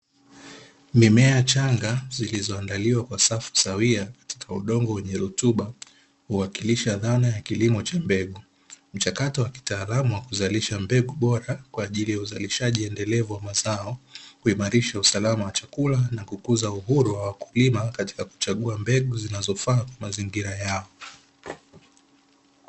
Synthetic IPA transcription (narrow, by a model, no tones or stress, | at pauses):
mimɛat͡ʃaŋɡazilizɔandaliwakwasafu̥sawiakḁti̥kʰauɗɔŋɡɔwɛɲɛɾutuɓa | huwakiliʃaðanajakilimɔt͡ʃambɛɠu | m̩t͡ʃakatɔwaki̥taːlamuwakuzaliʃambɛɡuɓɔɾakwaːʄilijauzaliʃaʄiɛndɛlɛvuwamazaɔkuimaɾiʃausalamawat͡ʃakulanakukuzauɦuɾuwawaku̥limakati̥kaku̥t͡ʃaɠuambɛɠuzinazɔfaːkwamaziŋɡiɾajaɔ